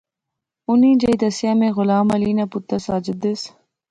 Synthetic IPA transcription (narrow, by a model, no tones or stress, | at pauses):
unĩːd͡ʒɐjd̪ɐsjamẽɣʊlaːmɐliːnɐput̪ːɐsaːd͡ʒɪd̪es